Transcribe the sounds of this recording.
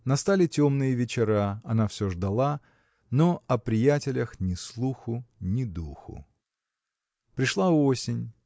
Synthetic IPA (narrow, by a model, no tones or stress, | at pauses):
nɐst̪alʲɪtʲomnɨjəvʲɪt͡ɕɪɾaɐnafsʲoʐd̪ɐlˠa | noɐpɾʲɪjætʲɪlʲəxnʲɪslˠuxʊnʲɪd̪uxʊ̰ | pɾʲɪʂlˠaosʲɪnʲ